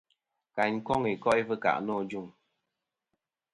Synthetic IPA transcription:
ka˨ɲ˦kɔ˦ŋi˨kɔ˦ʔi˦və˦ka̰˨ʔnɔː˦˨d͡ʒu˦˨ŋ

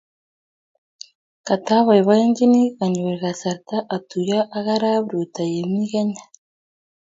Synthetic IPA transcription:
ka˨ta˦βa˨iβa˦e˦ŋɡi˦ni˦ɣa˨ɲu˨we˨ɣa˨sa˨ɾt̪a˦ʔa˨tu˨ja˦ʔa˦ɣa˦ɾa˦βɾu˨ta˨je˨mi˦ɣe˦ɲa

